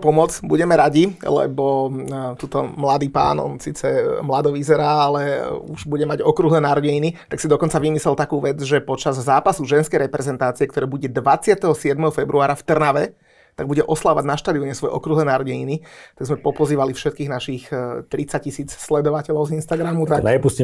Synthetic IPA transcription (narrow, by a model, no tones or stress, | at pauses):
pɔmɔd͡zbuɟɛmɛɾaɟilɛ̰bɔt̪uːt̪ɔmlad̪iːpa̰ːnɔ̰nsiːt͡sɛmlad̪ɔʋizɛɾaːalɛuʒbuɟɛmaɟɔkɾuɦlɛːnaɾɔɟɛɲinit̪aksid̪ɔkɔnt͡saʋimislɛlt̪akuːʋɛd͡zʒɛpɔt͡ʃazːaːpasuʒɛnskɛjɾɛpɾɛzɛnt̪aːt͡siɛkt̪ɔɾɛːbuɟɛd̪ʋat͡sɪat̪ɛɦɔsɪɛd̪mɛɦɔfɛbɾʔuaːɾaft̪r̩naʋɛ | t̪aɡ̚buɟɛʔɔslaʋa̰ɟnaʃt̪aːd̪iɔɲɛsʋɔjɛ̰ʔɔ̰kɾuɦlɛːnaɾɔɟɛɲinit̪aɡzmɛpɔpɔziːʋalifʃɛt̪̚kiːɣnaʃixt̪ɾit͡sac̚cːisiːt͡sslɛd̪ɔʋacɛlɔʊzinst̪aɡɾamut̪aɛpusci